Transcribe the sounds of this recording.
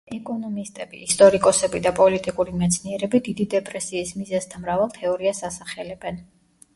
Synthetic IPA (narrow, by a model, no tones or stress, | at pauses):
ɛkʼɔnɔmist̪ʼɛbḭist̪ʼɔɾikʼɔsɛbid̪apʼɔlit̪ʼikʼuɾimɛt̪sʰniɛɾɛbid̪id̪id̪ɛpʼɾɛsiːsmizɛzd̪ʰamɾavalˠt̪ʰɛɔɾiasasaχɛlɛbɛn